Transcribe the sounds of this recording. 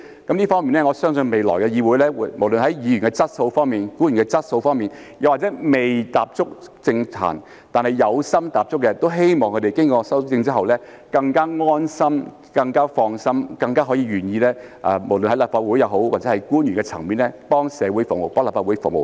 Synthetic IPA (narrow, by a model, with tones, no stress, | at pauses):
kɐ˨˥mliː˥fɔː˥ŋmi˨nɛː˥ŋɔ˨˧sœː˥ŋsɵ˧nme˨jlɔ̰ː˨˩jkɛ˧jiː˨˧wuː˨˥jlɛː˥˨mo˨˩wlɵ˨nɦɐ˨˥jjiː˨˧ɥnkɛ˧t͡sɐ˥t̚so˧wfɔː˥ŋmiː˨˩nkuː˨˥njy˨˩ŋkɛ˧t͡sɐ˥t̚so˧wfɔː˥ŋmiː˨˩n | jɐ˨˧wa˨t͡sɛː˨˥me˨jt̪aː˨p̚t͡sʊ˥k̚t͡sɪ˧ŋtʰa̰ː˨˩n | t̪aː˨nhɐ˨jjɐ˨˧wsɐ˥mt̪aː˨p̚t͡sʊ˥kːɛ˧t̪o˥wɦe˥jmɔː˨ŋkʰt̪e˨˩jkɪ˥ŋkɔː˧sɐ˥wt͡sɪ˧ŋt͡siː˥ɦɐ˨wlɛː˥ | kɐ˧ŋkaː˥ŋɔː˥nsɐ˥m | kɐ˧ŋkaː˥fɔː˧ŋsɐ˥mkɐ˧ŋkaː˥ɦɔː˨˥jiː˧ɥyː˨˩njiː˧lɛː˥ʔɐ̰ː˨˩mo˨˩wlɵ˨nhɐ˥laː˨˩faː˧t̚wu˨˥jɐ˨˧wɦo˨˥wwaː˨t͡sɛː˨˦˥ɐ˨jkuː˥njy˨˩ŋkɛ˧t͡sʰɐ˨˩ŋmiː˨˧nlɛ˥pɔː˥ŋsɛː˨˧wuː˨˥jfʊ˨˩ŋmo˨˩wpɔ˥ŋlaː˨˩faː˧wu˨˥jfʊ˨ŋmo˨˩